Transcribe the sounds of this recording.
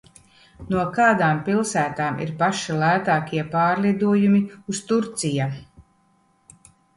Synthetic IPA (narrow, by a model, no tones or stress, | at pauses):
nuɔkaːd̪aːmpilˠsæːt̪aːmʔḭɾpaʃilæːt̪aːkʲiɛpaːɾlid̪uɔjumiust̪uɾt̪sija